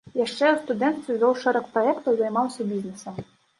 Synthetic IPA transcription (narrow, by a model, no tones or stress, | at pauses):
jaʂt͡ʂɛwst̪ud̪ɛnt̪t̪ʲizʲɔwʂɛɾɐkpɾɔɛkt̪ɐwzɐjmɑwsʲɐbʲiznɛsɐm